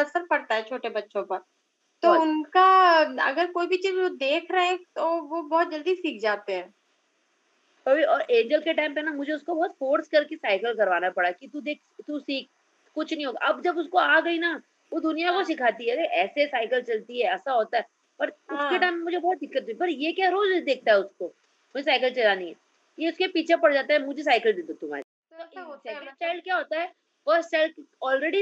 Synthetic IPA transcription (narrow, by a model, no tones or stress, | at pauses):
ɐsəɾpɐɽt̪aɦɛt͡ʃʰoːʈebɐtːʃõpɐɾ | t̪oʊnkaɐ̰ɡəɾkoːibʱit͡ʃiːzod̪eːkʰɾɐɦet̪oʋobɔːt̪̚d͡ʒɐld̪isiːkʰd͡ʒaːt̪eɦɛ̃ː | koːiɔːɾʔẽːɲd͡ʒəlkeʈaːɪ̃mpenamʊd͡ʒʱeʊskobɔːt̪foːɾskɐɾkesaːɪkəlkɐɾʋaːnapɐɽakit̪ud̪eːk̚ʰt̪usiːk̚ | kʊt͡ʃʰnə̃ĩɦoːɡa̰ʔɐbd͡ʒɐbʊskoaːɡɐina | ʋod̪ʊnijakosɪkʰaːt̪iɦɛd̪ekʰɛːsesaːɪkəlt͡ʃɐlt̪iɦɛɛːsaɦoːt̪aɦɛ | pɐɾʊskeʈaːɪ̃mːemʊd͡ʒʱebɔːt̪̚d̪ɪkːət̪̚ũipɐɾjekjaɾoːd͡ʒd̪eːk̚ʰt̪aɦɛʊsko | mʊd͡ʒʱesaːɪkəlt͡ʃɐlanĩɦɛ̰ | jeʊskepiːt͡ʃʰepɐɽd͡ʒaːt̪aɦɛmʊd͡ʒʱes̬aːɪkəld̪eːd̪ot̪ʊm̤a̰ːɾi | t̪oɾst͡ʃaːɪlkjaɦoːt̪aɦɛ | fəːɾsʈt͡ʃaːɪlɔːlɾeːɖi